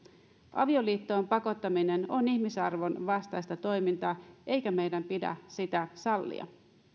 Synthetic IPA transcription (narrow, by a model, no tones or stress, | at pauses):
ʔɑ̰ʋio̞liːt̪ːo̞ːmpɑko̞t̪ːɑmine̞no̞niçmisɑrʋo̞nʋɑst̪ɑjst̪ɑt̪o̞jmint̪ɑːʔe̞jkæme̞jdæmpidæ̰sit̪æsɑlːḭɑ̰